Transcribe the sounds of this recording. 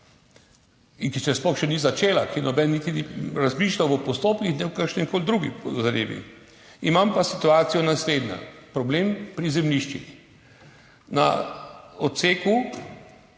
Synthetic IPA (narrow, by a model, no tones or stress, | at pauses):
iŋkit͡ʃɛspɔxʃɛnizat͡ʃeːlakinɔbɛnnit̪iniɾazmiːʃlʲawʋəpɔst̪oːpkixnɛwkəɾʃnɛmkoːld̪ɾuːɡizɾḛːbḭ | imampasit̪uaːt̪sijɔnasleːd̪ɲa̰pɾɔbleːmpɾizɛmniʃt͡ʃḭx | na̰ | ɔt̪seːku